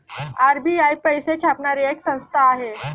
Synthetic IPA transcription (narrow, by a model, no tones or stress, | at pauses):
aɾbiajpəjset͡ɕʰapɳaɾieksə̃w̃st̪ʰaːɦe